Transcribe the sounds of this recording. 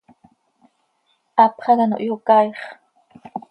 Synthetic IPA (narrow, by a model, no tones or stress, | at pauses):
ʔɑpχɑdɑno̰ʔjokɑjχ